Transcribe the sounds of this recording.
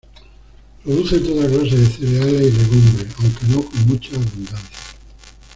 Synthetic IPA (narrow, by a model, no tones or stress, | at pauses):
pɾoð̞uθe̞nt̪ot̪aklas̬eðeθeɾealaile̞ɣumbɾeawkenokomut͡ʃaβund̪anθḁ